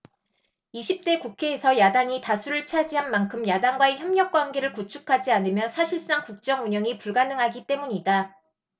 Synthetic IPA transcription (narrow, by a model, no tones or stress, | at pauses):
iɕʰip̚t͈e̞kukʰe̞ːsʰʌjadaŋitasʰuɾɯɭt͡ɕʰad͡ʑiɦanmankʰɯmjadaŋɡwaeçjʌmɲʌk̚k͈wanɡe̞ɾɯɭkut͡ɕʰukʰad͡ʑianɯmjʌnsʰaɕʰiɭs͈aŋkuk̚t͡ɕ͈ʌŋuɲʌŋipuɭɡanɯŋɦaɡit͈e̞muɲida